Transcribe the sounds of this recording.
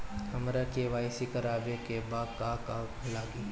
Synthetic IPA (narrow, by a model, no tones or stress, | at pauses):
hɐmɾakeʋaːjsikəɾaːbekebaːkaːkaː | laːɡiː